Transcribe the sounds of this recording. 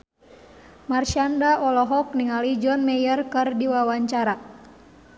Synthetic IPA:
marʃandaʔɔlɔɦɔk̚niŋalid͡ʒɔnmɛjərkɨrdiwawaɲt͡ʃaɾa

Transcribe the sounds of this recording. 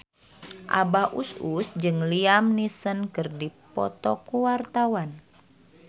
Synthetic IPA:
ʔa̰bahʔususd͡ʒɨŋliamnisənkɨrdipɔ̰t̪ɔkuwart̪awan

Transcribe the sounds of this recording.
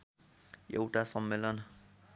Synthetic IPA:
ḛwʈasʌmːelʌn

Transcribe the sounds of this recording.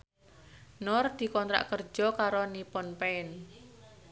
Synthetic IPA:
nɔrd̪̥i̤kɔnt̪ɾa̰ʔkər̥d͡ʒ̥ɔkaɾɔnipɔnpeɪn

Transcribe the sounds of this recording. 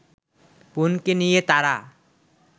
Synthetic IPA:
punkenijet̪aɾa

